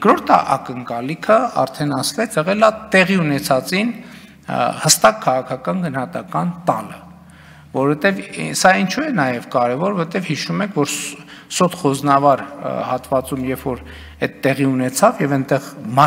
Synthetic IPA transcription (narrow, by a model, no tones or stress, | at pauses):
kɾɔɾt̪ʰɑ̰ʔɑ̰kəŋkɑlikʰəɑ̰ɾt̪ʰɛnɑsvɛt͡sʰɛʁɛlɑt̪ɛʁiunɛt͡sʰɑt͡sin | həst̪ɑkʰːɑʁɑkʰɑkɑnɡənhɑt̪ɑkɑnt̪ɑlə̰ | vɔɾɔvɛt̪ɛvsɑint͡ʃʰuɛnɑjɛvkɑɾɛvɔɾvɔɛt̪ɛvhiʃumɛkʰvɔɾ | sɔt̪ʰχɔznɑvɑɾhɑt̪vɑt͡sumjɛvfɔɾ | ɛt̪ːɛʁiunɛt͡sʰɑvjɛvɛnt̪ɛʁmɑ